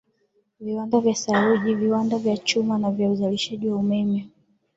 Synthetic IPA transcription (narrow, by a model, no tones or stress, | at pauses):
viwandavjasaɾuʄiviwandavjat͡ʃumanavjauzaliʃaʄiwaumɛmɛ